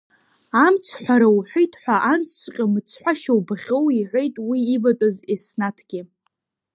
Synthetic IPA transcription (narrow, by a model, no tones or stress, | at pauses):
amt͡sʷʰħʷᶣaɾawħʷᶣejtʰħʷaʔant͡sʰt͡sʷʰʼqʲʼɪmɨt͡sʰħʷaʃawbaχʲowiʕʷe̞jtʼwiːvatʼazesnatʰɡ̥ʲɪ